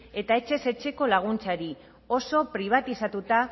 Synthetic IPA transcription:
e̞t̪ae̞t͡ʃe̞se̞t͡ʃe̞ko̞laɣ̞unt͡saɾi | o̞so̞pɾiβ̞at̪isat̪ut̪a

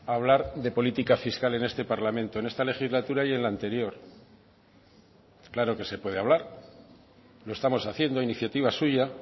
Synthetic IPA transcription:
aβ̞laɾðe̞po̞lit̪ikafiskale̞ne̞st̪e̞paɾlamẽ̞nt̪oenest̪ale̞xizlat̪uɾaje̞nlaːnt̪e̞ɾjo̞ɾ | klaɾo̞ke̞se̞pwe̞ðeaβlaɾ | lo̞e̞st̪amo̞saθje̞nd̪oiniθjat̪iβ̞asuʝa

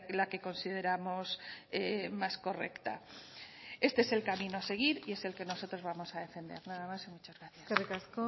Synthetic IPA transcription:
lake̞ko̞nsið̞e̞ɾamo̞semasko̞re̞̰kt̪a | e̞st̪e̞ese̞lkamĩnoase̞ɣ̞iɾie̞se̞lke̞no̞so̞t̪ɾo̞zβamo̞saðe̞fe̞nd̪e̞̰ɾnaðamasimut͡ʃazɣɾaθjaserekasko

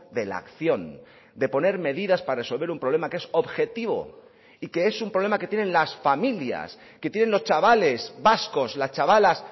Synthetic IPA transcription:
d̪e̞la̰kθjo̞n | d̪e̞po̞ne̞ɾme̞ðiðaspaɾre̞so̞lβe̞ɾumpɾole̞makee̞so̞βxe̞t̪iβo̞̰ | ike̞esumpɾo̞βemake̞t̪jenẽ̞nlasfamilja̰s | ke̞t̪jene̞nlo̞st͡ʃaβale̞sbasko̞slast͡ʃaβalas

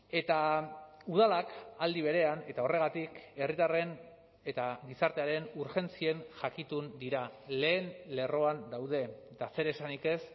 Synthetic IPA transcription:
e̞t̪auð̞alakald̪iβ̞e̞ɾe̞ane̞t̪ao̞re̞ɣat̪ike̞rit̪are̞n | e̞t̪aɡisaɾt̪e̞aɾe̞nuɾxe̞nt͡sie̞nʝakit̪und̪iɾale̞ːnle̞ro̞and̪awð̞e̞d̪ase̞ɾesanike̞s

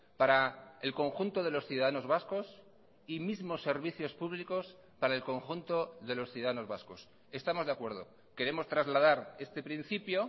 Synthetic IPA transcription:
paɾaelko̞ŋxunt̪o̞ðe̞lo̞sθjuðaðano̞zβasko̞s | imizmo̞sːe̞ɾβ̞iθjo̞spuβliko̞s | paɾae̞lko̞ŋxunt̪o̞ðe̞lo̞sθjuðaðanozβasko̞s | e̞st̪amo̞zðakwe̞ɾð̞o̞̰ | ke̞ɾe̞mo̞st̪ɾazlað̞aɾe̞st̪e̞pɾin̟θipjo̞

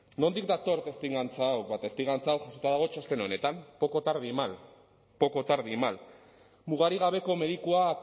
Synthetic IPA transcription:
no̞nd̪ikd̪at̪o̞ɾt̪e̞st̪iŋɡant͡sawβat̪est̪iŋɣɡant͡saːwʝasot̪aðaɣ̞o̞t͡ʃast̪e̞no̞ne̞t̪ampo̞ko̞t̪aɾðimal | po̞ko̞t̪aɾðimal | muɣ̞aɾiɣ̞aβe̞ko̞me̞ð̞ikua

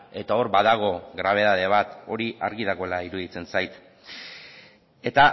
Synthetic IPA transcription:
e̞t̪ao̞ɾbaðaɣ̞o̞ɣɾaβ̞e̞ð̞aðe̞β̞at̪o̞ɾiʔaɾɣiðaɣo̞elaiɾuðit͡se̞nsajt̪ | e̞t̪a

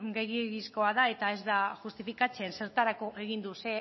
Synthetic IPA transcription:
ɡejiɣisko̞aðae̞t̪ae̞zd̪axust̪ifikat͡se̞nse̞ɾt̪aɾako̞ʔe̞ɣ̞ind̪use̞

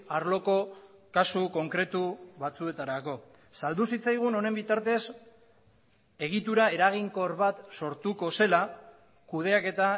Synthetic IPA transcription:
aɾlo̞ko̞ | kasuko̞ŋkɾe̞t̪uβat͡sue̞t̪aɾako̞ | sald̪usit͡sajɣ̞uno̞ne̞mbit̪aɾt̪e̞s | e̞ɣ̞it̪uɾae̞ɾaɣ̞iŋko̞ɾβat̪so̞ɾt̪uko̞se̞la | kuðe̞ake̞t̪a

